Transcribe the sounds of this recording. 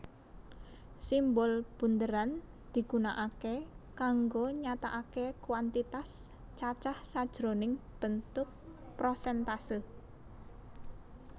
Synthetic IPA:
simbɔlb̥ṳnd̪əɾan | d̪̥i̤ɡ̥unaʔakekaŋɡoɲat̪aʔakekwant̪it̪as | t͡ʃat͡ʃahsad̥ʒ̥ɾonɪŋb̥ənt̪ʊk̚ | pɾosɛnt̪asə

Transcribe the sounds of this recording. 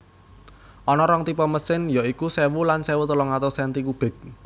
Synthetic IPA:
ʔɔnɔɾɔŋt̪ipɔməsɪnjaikusɛwulansɛwut̪əlɔŋat̪osɛnt̪ikub̥ɛ̤k̚

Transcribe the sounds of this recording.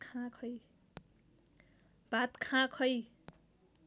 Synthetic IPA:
kʰãkʰʌj | b̥at̪kʰãkʰʌj

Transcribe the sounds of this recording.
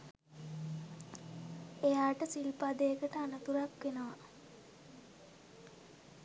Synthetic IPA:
ejaːʈəsilpad̪eəkəʈəanət̪uɾakʋenəʋa

